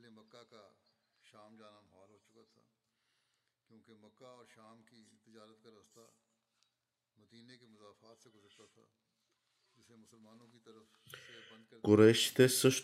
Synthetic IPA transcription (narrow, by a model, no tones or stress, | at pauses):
lemɐkːaka | ʃaːmd͡ʒaːnamɐɦaːlɦoːt͡ʃʊkat̪ʰa̰ː | kjõːkemɐkːaɔːɾʃaːmkit̪ɪd͡ʒaːɾət̪kaɾɐːst̪a̰ | mɐd̪iːnekemʊzaːfaːt̪seɡʊzəɾt̪at̪ʰa̰ː | d͡ʒɪsemʊsəlmaːnõkit̪ɐɾəf | b̪d̪kkʊɾɛːʃt̪esəʃ